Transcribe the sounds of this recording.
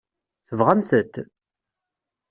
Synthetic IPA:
θəvʁənθət̪ː

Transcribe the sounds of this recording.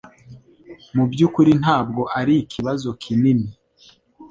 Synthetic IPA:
mubɟuːkuɾin̥aːb̚ɡo̞ʔaɾiːkʰiβazo̞kʰinini

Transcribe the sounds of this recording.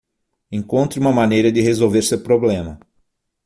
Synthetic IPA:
ẽŋkõnt̪ɾʊũmɐmanejɾɐd̪ɪɦezowveɾsewɾpɾoblẽmɐ

